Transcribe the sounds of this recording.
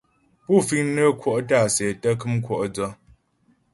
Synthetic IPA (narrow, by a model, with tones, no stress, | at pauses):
pu˦˨fi˦ŋnə˦kwɔ˦˨ʔta˦˨sɛ˨tə˦k̬ɨ˦mkwɔ˦˨ʔd͡zɔ˦